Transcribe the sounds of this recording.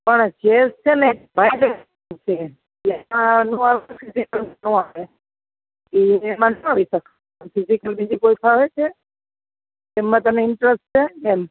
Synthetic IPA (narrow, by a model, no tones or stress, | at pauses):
pəɳd͡ʒest͡ʃʰenebʱajd̪e | t͡ʃʰe | eanũaʋpʰizikəlnũaʋe | keɛmãnaʋisək | pʰɪzikəlbid͡ʒikoipʰaʋet͡ʃʰe | emːãt̪əneɪɳʈɾesʈt͡ʃʰeːm